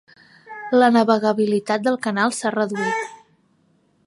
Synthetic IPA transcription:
lənəβəɣəβilit̪at̪̚d̪əlˠkənalˠsarəðuit̪

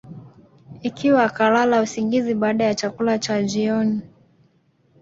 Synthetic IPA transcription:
ikʰiwaːkalalausiŋɡiziɓaːɗajat͡ʃakulat͡ʃad͡ʒiɔni

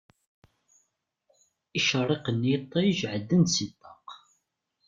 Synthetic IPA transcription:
iʃərˤːeqənːijt̪ˤːɑjəʒʕəd̪ːənsit̪ːɑq

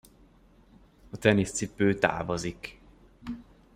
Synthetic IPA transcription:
ɒt̪ɛnist̪sipøːt̪a̰ːvozik

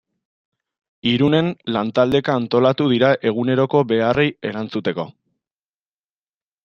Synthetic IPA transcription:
iɾune̞nlant̪ald̪e̞kaːnt̪o̞lat̪uð̞iɾaʔe̞ɣ̞une̞ɾo̞ko̞be̞arʔeje̞ɾant͡sut̪e̞ko̞̰

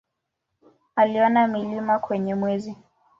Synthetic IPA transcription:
aliɔnamilimakwɛɲɛmwɛzi

